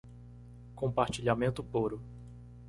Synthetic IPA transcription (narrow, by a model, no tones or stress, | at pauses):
kõpaɾt͡ʃiʎamẽnt̪ʊpuɾʊ